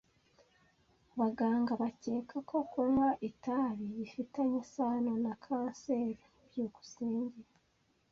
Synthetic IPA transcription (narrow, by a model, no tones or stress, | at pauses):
βaɡaːŋɡaβace̞ːkakʰo̞kumwaʔitaɾiβifitaɲesaːnonakʰaːnse̞ːɾo | βjuːɡu̥seːɲɟe